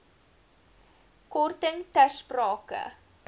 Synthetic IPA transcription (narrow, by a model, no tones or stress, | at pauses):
kɔrtəŋtæsprɑːkə̰